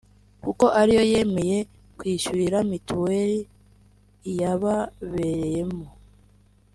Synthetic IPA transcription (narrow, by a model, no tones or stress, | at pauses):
kuko̞ʔaɾijo̞je̞me̞je̞ | kwiːʃuiɾamituweɾi | jaβaβeɾeje̞mo